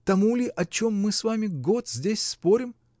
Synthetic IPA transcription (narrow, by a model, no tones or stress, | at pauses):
t̪ɐmulʲɪʔɐt͡ɕo̞mːɨsvamʲɪɡo̞t̪zʲdʲesʲspo̞ɾʲɪm